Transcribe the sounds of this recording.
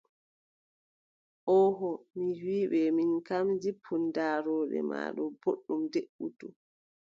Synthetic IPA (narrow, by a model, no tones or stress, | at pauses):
ʔɔːɦɔmiwiːɓɛminkamd͡ʒipʰːundaːɾɔːɗɛ̰ma̰ːɗɔboɗːumdeɓutu